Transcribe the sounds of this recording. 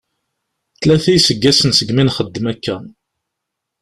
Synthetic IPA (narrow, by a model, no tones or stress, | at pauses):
θlæθæjsəɡːæsənsəɡminχəd̪ːəmækːæ